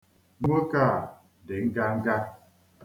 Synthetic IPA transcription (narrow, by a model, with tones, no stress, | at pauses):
ŋʷo˦ka˦˨ | de˨ŋ̩˦ɡa˦ŋ̩˦ɡa˦